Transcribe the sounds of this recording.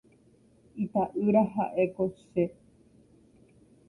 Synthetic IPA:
it̪aʔɨɾaɦaʔekoʃe

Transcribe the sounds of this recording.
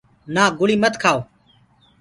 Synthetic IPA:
naːɡʊɭiːmət̪kʰaːoː

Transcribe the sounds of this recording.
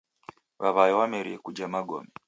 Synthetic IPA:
βaβajɔwamɛɾiɛkud͡ʒamaɡɔ̰mɛ

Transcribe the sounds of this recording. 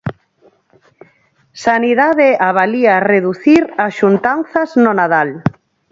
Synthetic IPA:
saniðaðeaβaliareðuθiɾasʃunt̪anθaznonaðal

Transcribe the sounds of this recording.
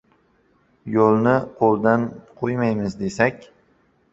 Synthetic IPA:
jolˠnɪqʰolˠd̪anqʰojmajmɪzd̪e̞sakʲ

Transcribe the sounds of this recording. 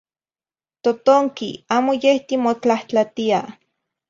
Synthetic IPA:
t̪ot̪oŋkḭaːmojeht̪imot͡ɬaht͡ɬat̪ia

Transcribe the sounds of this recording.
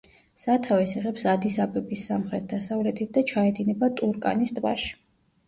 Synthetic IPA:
sat̪ʰavɛsiʁɛpsad̪isabɛbisːamχɾɛt̪̚ʰd̪asavlɛt̪ʰit̪̚d̪at͡ʃʰaɛd̪inɛbat̪ʼuɾkʼa̰nist̪ʼva̰ʃi̥

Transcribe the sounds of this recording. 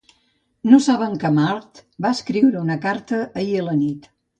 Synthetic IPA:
nosaβəŋkəmaɾt̪baəskɾiwɾəunəkaɾt̪əʔəiələnit̪

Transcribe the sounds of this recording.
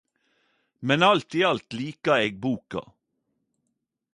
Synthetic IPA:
mɛnɑlt̪iːɑlt̪liːkɑeːɡ̚buːkɑ̰

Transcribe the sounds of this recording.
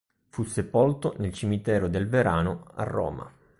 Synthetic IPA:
fusːepolt̪onelt͡ʃimit̪ɛːɾod̪elveɾaːnoa̰rːɔ̰ːma̰

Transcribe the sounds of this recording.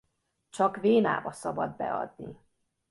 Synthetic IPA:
t͡ʃɒkveːna̰ːbɒsɒbɒd̪bɛɒ̰d̪ni

